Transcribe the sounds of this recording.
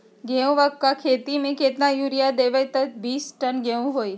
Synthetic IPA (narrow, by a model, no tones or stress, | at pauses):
ɡɛũʋakkːakʰet̪imẽket̪najuɾijad̪eʋajt̪ət̪biːsʈənɡeũɦoj